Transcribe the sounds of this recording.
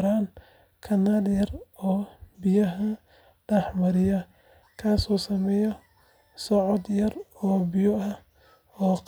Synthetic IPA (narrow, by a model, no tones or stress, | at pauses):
ɾaːn | kʰɐnaːljɐrɔːbɪjɐɦɐ | ɖɛħmɐɾɪjɐ | kʰaːsɔːsɐmɛjɔ | sɔʕɔd̪jɐrɔːbɪjɔɐ | ɔːq